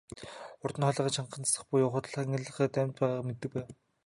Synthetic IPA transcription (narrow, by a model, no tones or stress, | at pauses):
ʊrt̪ə̆nχɔɮăːʁăːt͡ɕʰaɴqə̆nt͡sʰḁsə̆χpʊjʊːχʊ̆t̪̆ɮχŋə̆ɮə̆χæːt̪æmʲt̪̚pæːʁaːmet̪ːɘ̆k̚pæːw